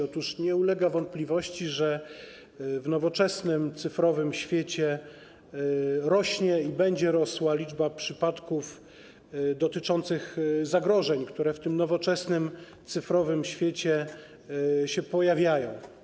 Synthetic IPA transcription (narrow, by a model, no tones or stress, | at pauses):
ɔt̪uʂɲɛulɛɡavɔnt̪̚plʲivɔɕt͡ɕiʐɛ | vnɔvɔt͡ʂɛsnɘmt̪sɘfɾɔvɘmɕfʲjet͡ɕɛ | ɾɔɕɲɛibɛɲd͡ʑɛɾɔswalʲid͡ʐbapʂɘpat̪kuf | d̪ɔt̪ɘt͡ʂɔnt̪sɘxzaɡɾɔʐɛɲkt̪uɾɛft̪ɘmnɔvɔt͡ʂɛsnɘm | t̪sɘfɾɔvɘmɕfʲjet͡ɕɛ | ɕɛpɔjavʲjajɔ̃w̃